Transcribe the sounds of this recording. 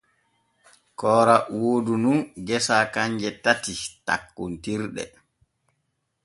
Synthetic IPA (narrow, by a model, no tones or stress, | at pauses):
kɔːɾawoːdununɡɛsaːkaɲd͡ʒɛtatita̰kːuntiɾɗɛ̰